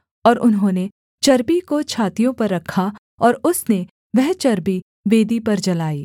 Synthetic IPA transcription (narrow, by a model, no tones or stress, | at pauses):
ɔːɾʊnɦõːne | t͡ʃɐɾbikot͡ʃʰaːt̪ijõpɐɾːɐkʰːa | ɔːɾʊsne | ʋɛɦt͡ʃɐɾbi | ʋeːd̪ipɐɾd͡ʒɐlaːiː